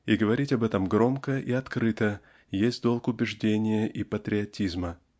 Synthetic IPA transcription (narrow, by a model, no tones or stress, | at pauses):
iɡəvɐɾʲitʲɐbɛt̪əmɡɾo̞mkəʔiɐt̪kɾɨt̪ə | jesʲtʲd̪o̞lˠkʊbʲɪʐdʲenʲɪjəʔipət̪ɾʲɪɐtʲizmə